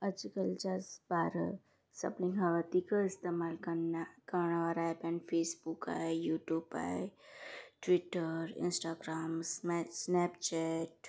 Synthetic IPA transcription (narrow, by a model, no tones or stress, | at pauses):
ɐd͡ʒkəlt͡ʃasbaːɾə̰ | sɐ̰plĩŋɡaʋət̪ikaɪst̪emaːlkɐnakəɾɳaʋaɾajpɛ̃ɳɖfʰeːsbuka̰ejuːʈjuːba̰j | ʈʋiʈəɾɪ̰nsʈaːɡɾaːmssnɛpt͡ʃɛʈ